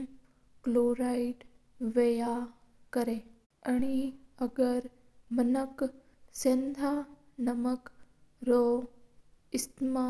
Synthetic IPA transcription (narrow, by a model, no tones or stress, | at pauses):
kloːɾaiʈ | ʋeja | kɐɾẽ | ɐɽ̃iɐɡəɾ | mənək | sẽnd̪ʱa | nɐməkɾo | ɪst̪ma